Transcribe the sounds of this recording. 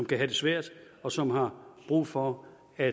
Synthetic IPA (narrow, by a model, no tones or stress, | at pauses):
ɒmkʰæɦæd̥e̝sʋæɐ̰d̥ | ɒ̽sɒ̽mɦɑ̈b̥ʁṵːfɒ | æ